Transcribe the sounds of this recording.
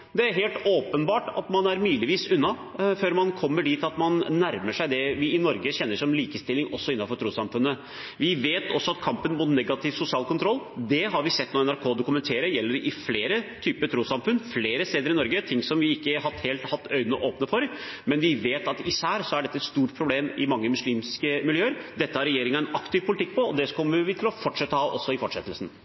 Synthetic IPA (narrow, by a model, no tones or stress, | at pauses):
d̪ɛæɾɦeːlt̪oːpənbɑːʈɑ̰t̪mɑnæɾmyːləʋiːsʉnːɑ | føːɾmɑnkʰɔmːəɖiːt̪ɑt̪mɑnːæɾməʂæɪd̪ɛʋɪɪnɔɾɡəçɛnːəʂɔmliːkəst̪ɪlːɪŋɔsːɔɪnːɑfɔɾʈ̪ʰɾuːsɑmfʉnːə | ʋɪʋeːt̪ɔsːɔɑt̪kʰɑmpənmʊt̪nɛɡɑt̪ʰɪʋsʊsɪɑːlkʰʊnt̪ʰɾɔlːd̪ɛɦɑɾʋɪsɛt̪ːnoːɛnæɾkʰoːd̪ʊkʉmɛnt̪ʰeːɾəjɛlːəɾɖʔɪfleːɾət̪ʰyːpət̪ʰɾuːsɑmfʉnfleːɾəst̪eːd̪əɾɪnɔɾɡət̪ʰɪŋsɔmʋɪɪkːəɦɑt̪heːlt̪hɑt̪ːœʏnəʔoːpnəfɔɾmɛnʋɪʋeːt̪ɑt̪ɪsæːɾsɔæɖɛt̪ːəɛt̪st̪uːʈpʰɾʊbleːmɪ̰mɑŋːəmʉsliːmskəmɪljøːəɾd̪ɛt̪ːəhɑɾɛjeːɾɪŋɑɛnɑkt̪ɪʋpʰʊlɪt̪ʰɪk̚ːpʰɔɔd̪ɛkʰɔmːəʋɪt̪ʰɪlɔfɔʈʂɛt̪ːəhɑːʔɔsːɔɪfɔʈʂɛt̪ːəlsn̩